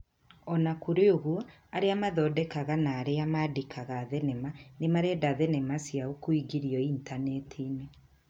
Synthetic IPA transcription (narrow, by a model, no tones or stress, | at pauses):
ɔnakoɾeoɣwɔ | aɾeamaðɔːdɛkaɣanaːɾeamadekʰaɣaðɛnɛmanemaɾɛdaðɛnɛmasjaokoiɡiɾiɔintanɛtʰine